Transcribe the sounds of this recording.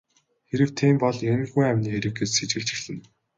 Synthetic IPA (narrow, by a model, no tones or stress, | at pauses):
xeɾɘ̆wt̪ʰiːmpɔɮjenɘ̆ɣujæmniːeɾʲɘ̆ket͡ɕset͡ɕɘ̆kt͡ɕɪ̆xɮɘ̆n